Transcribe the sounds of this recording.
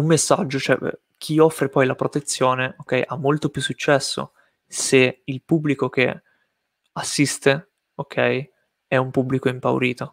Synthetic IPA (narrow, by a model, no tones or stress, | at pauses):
umːesːa̰d͡ʒːot͡ʃoɛ̰ | k̟ʰiɔfːɾepɔjlapɾot̪et̪sːjoːneokːɛjʔamːolt̪opjusːut͡ʃːɛsːo̰ | seilpubːlikok̟e | asːist̪e | ok̟ʰːɛj | ɛumpublikoimpa̰wɾiːt̪o